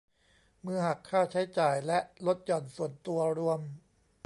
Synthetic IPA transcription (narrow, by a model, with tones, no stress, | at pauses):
mɯ˧˥ha˨˩kʰːaː˥˩t͡ɕʰa˦˥jt͡ɕaː˨˩jlɛ˦˥ʔlo˦˥t̪̚jɔː˨˩nsu˨˩ənt̪u˧ɐɾu˧əm